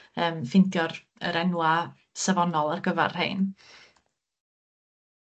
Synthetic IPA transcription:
əːmfɪntʰjɔr | ə̰ɾɛnwa | savɔnɔlˠarɡəva̰rhḛɨn

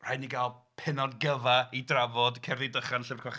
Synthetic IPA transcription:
rajniɡalˠpʰɪnɔdɡəvaidravɔdkʰɛvidəχanɬɪvrkʰwaχ

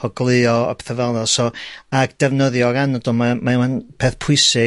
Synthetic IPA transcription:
ɔɡlˠɨɔɔ̰pʰe̥θəvɛlˠɔsɔaɡd̥ɛvnəðjɔɡanədɔlˠmamaimanpʰeːθpʰʊɨsɪ

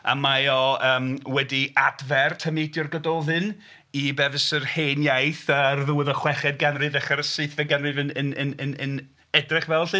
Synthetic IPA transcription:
a̰majɔəːmwɛdiadvɛrtʰəmedjɔrɡədɔðɨn | ibɛvəsərheːnjajθarðuwəðɔχwɛχɛd̚ɡanrɨvɛχaɾəsɨθvɛɡanrɨvənənənnən | ɛdrɛχvɛlˠɬɨ

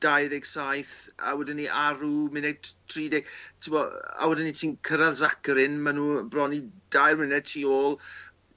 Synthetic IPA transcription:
d̥ajðɛɡ̥sajθa̰wɛdɪnːiʔaɾumɪnɛɡ̚tʰriːdɪɡ̥tʰɪmbɔa̰wɛdɪnːitʰiːnkʰəɾaðzakɾɪnmanuːbrɔnid̥ajrmɪnɛtʰiːoːlˠ

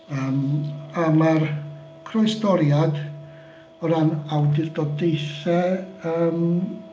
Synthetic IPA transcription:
əːmamar | kʰrɔjstɔɾjad | ɔɾanawdɪrdɔdejθɛəːm

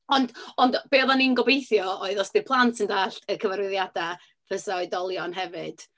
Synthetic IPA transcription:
ɔndɔndb̥eːðaninɡɔbejθjɔoɨðɔsbɪrpʰlˠantʰəndaːɬəkʰəvarwɪðjada | pʰəsaɔɨdɔlˠjɔnɦɛvɨd̥

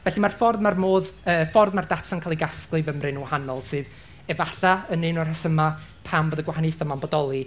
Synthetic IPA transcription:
vɛɬimarfɔrðmarmoːðəːfɔrðmardatʰankʰaːlˠiɡasklˠɨvəmrɨnuwhanɔlˠsɨːð | ɛvaɬaənɨnɔrhɛsəmapʰamboːðəɡwahanɨθɔmanbɔdɔlˠi

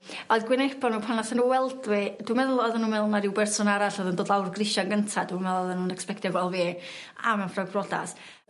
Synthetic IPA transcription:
ɔjðɡwɪnebɔnuːpʰanaθanuwɛlˠdwɪd̥wumɛðʊlˠɔðənuːmɛlˠnaɾɪwbɛrsɔnaɾaɬɔðəndoːdlˠawrɡrɪʃanɡəntʰadumɛðlˠɔðənunɛkspɛktɔɡwɛlˠviː | a̰mɛwnfraɡbrɔda̰s

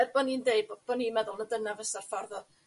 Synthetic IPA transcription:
ɛrbɔnindeɨbb̥ɔniːmɛðʊlˠnədənavəsarfɔrðɔ

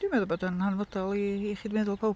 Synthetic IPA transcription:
d̥ɪmɛðɔbɔdənhanvɔdalˠiːχiːdmɛːðʊlˠpʰaw

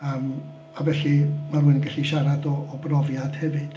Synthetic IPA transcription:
əːm | avɛɬimaruɨnɡaɬiʃaɾadɔːbrɔvjad̥hɛvɨd̥

